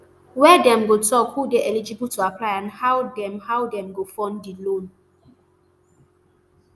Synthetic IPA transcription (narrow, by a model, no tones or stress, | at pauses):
wɛdɛ̃mɡotʰɔkhudeʔɛlid͡ʒibltʰuapʰlaɪãnhawdɛ̃mhawdɛ̃mɡofɔ̃ndilõn